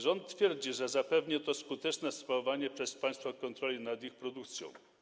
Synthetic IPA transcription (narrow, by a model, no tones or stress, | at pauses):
ʐɔnt̪̚ːfʲjɛɾd͡ʑiʐɛzapɛvɲɛt̪ɔskut̪ɛt͡ʂnɛspavaɲɛpʂɛspaj̃st̪fɔkɔnt̪ɾɔlʲinad̪ixpɾɔd̪uk̚t̪sʲjɔ̰̃w̃